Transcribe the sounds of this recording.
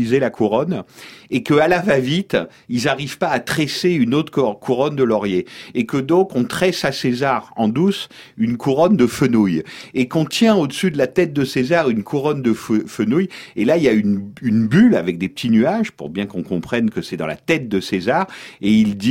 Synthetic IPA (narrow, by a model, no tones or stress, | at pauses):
izelakʰuʁɔnekəalavavit̪ | ilzaʁiv̥paːt̪χeseynot̪χkkʰuʁɔnd̪əlɔʁjeːkəd̪ɔ̃kɔ̃t̪χɛsasezaʁɑ̰̃d̪us | ynkʰuʁɔnd̪əfənujekɔ̃t̪jɛ̃od̪əsyd̪əlat̪ɛt̪̚d̪əsezaʁynkʰuʁɔnd̪əffənujelailjaynynbylavɛk̚d̪epə̥t̪ʰinyaʒpṵʁbjɛ̃kɔ̃kɔ̃pχɛnkəsɛd̪ɑ̃la̰t̪ɛt̪̚d̪əsezaʁeild̪i